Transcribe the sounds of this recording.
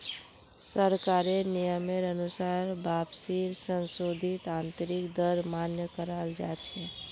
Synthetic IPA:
səɾkaɾenijəmeɾənusaɾbabsiɾsənsod̪ʱit̪ant̪ɾikd̪əɾmanjəkəɾald͡ʒa̰t͡ʃʰɛ

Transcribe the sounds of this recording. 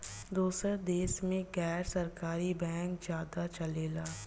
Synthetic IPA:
d̪uːsəɾd̪eːsmẽɡɛːɾsɐɾkaːɾibɛ̃ːŋkzjaːd̪at͡ʃɐleːlaː

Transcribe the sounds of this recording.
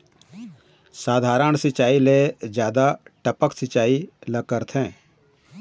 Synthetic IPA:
saːd̪ʱaːɾəɳsɪt͡ʃaːiled͡ʒjaːd̪aʈəpəksɪt͡ʃaːiləkəɾt̪ʰɦɛ̃ː

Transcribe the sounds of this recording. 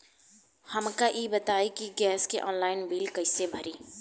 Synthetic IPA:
həmkaʔibət̪aːikiɡɛːskeʔɔːnlaːɪnbiːlkəɪsebʱəɾiː

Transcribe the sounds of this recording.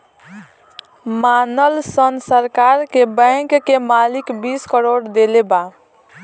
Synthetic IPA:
manəlsənsəɾkaɾkebə̃kkemalikbiskəɾoɽd̪eleba

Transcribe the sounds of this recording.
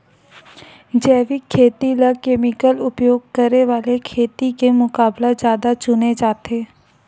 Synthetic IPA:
d͡ʒɛːʋikʰːeːt̪ilakeːmɪkəlʊpjoːɡ̚kəɾeʋaːlekʰeːt̪ikemʊkaːblad͡ʒjaːd̪at͡ʃʊned͡ʒaːt̪ʰeː

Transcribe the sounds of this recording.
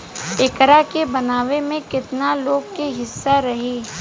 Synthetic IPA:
ɪkɾakebɐnaːʋemẽkɪt̪naloːɡ̚keɦɪsːaɾɐɦiː

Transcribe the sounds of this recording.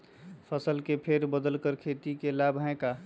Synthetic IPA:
pʰəsəlkepʰeɾbəd̪əlkəɾkʰeːt̪ikelabʱɦɛ̃ka

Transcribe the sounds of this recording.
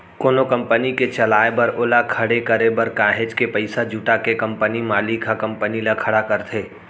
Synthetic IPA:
koːnokɐ̃mpəniket͡ʃɐlaːebɐɾoːlakʰɐɽekɐɾebɐɾkaːɦed͡ʒkepɐɪsad͡ʒuːʈakekɐ̃mpənimaːlikʰakɐ̃mpənilakʰɐɽakɐɾt̪ʰeː

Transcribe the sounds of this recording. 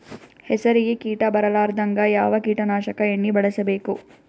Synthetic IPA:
hɛsɐɾiɡekiːʈɐbɐɾɐlaːɾd̪ɐŋɡɐjaːʋɐkiːʈɐnaːʃɐkɐeɳːibɐɭɐsɐbeːku

